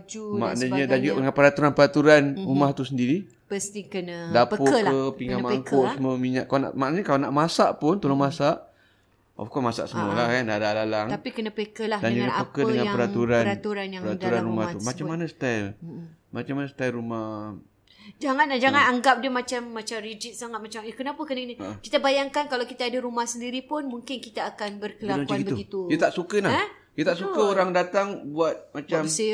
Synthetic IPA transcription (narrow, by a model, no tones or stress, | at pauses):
d͡ʒuma̰ʔdəɲədand͡ʒuɡadəŋapəɾat̪uɾanpəɾat̪uɾanɾumaht̪usəndiɾi | pəst̪ikənədapəoəkəpiŋamaŋkoʔsəmomiɲaʔkalana̰ʔmaʔnaɲəkalanaʔmasaʔpʊnt̪əlomasaʔ | o̰fkɔmasa̰ʔsəmuəlahkandadalalaŋtapikənəpəkəladand͡ʒuɲəpəkədəŋanəɾat̪uɾanat̪uɾanjapəɾat̪uɾanɾumaht̪umat͡ʃammːanasə̥t̪almat͡ʃamːanəsə̥t̪alɾuma | d͡ʒaŋanad͡ʒaŋanaŋɡap̚diəmat͡ʃamːat͡ʃamrid͡ʒɪt̪̚saŋat̪̚mat͡ʃamkənapəkənəkənəkit̪abajaŋkankalawkit̪aːdaɾumahsəndiɾipʊnmuŋkɪnkit̪aːkanbərkəlaamakaɡibəuɡit̪ujət̪aʔsukənaɛ | jət̪aʔsukəoɾaŋdat̪aŋbuat̪̚mat͡ʃasi